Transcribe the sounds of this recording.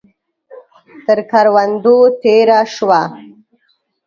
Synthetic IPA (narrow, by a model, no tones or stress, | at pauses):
t̪əɾkaɾwand̪ot̪eɾaʂwa